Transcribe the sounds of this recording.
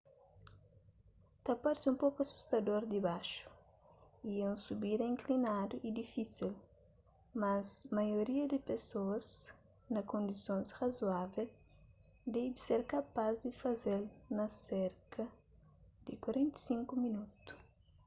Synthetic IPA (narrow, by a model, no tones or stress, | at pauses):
t̪ɐpaɾsiũmpokɐsu̥st̪ɐd̪oɾd̪ibaʃu̥ | iɛũsubiɾĩŋklinad̪uʔid̪ifisil | mɐzmɐjoɾiɐd̪ɪpesoɐz | nɐkõnd̪isõnsrɐzuavel | d̪ɛjbiseɾkɐpazd̪ifɐzelnɐsɛɾkɐ | d̪ɪkwɐɾẽnt̪ɐ̥sĩŋkuminut̪u̥